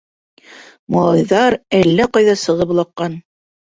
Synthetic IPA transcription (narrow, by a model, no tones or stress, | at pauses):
mɑlˠɑjðɑɾælːæqɑjðɑsɤ̆ʁɤp̆lˠɑqːɑn